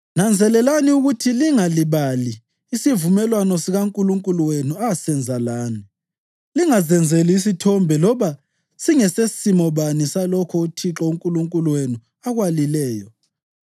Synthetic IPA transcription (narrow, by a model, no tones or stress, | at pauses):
nand͡zʱɛlɛlaniuɣutʰiliŋaliβaliː | sivumɛlwanɔsiɣaŋkʼuluŋkʼuluwenuasɛnd͡zʱalaːni | liŋazɛnd͡zʱɛliːs̬itʰɔmbʱɛlɔβa | siŋɛsesimɔβanisalɔkʰɔutʰiǁɔuŋkʼuluŋkʼuluwenu | aɣwalilɛːjɔ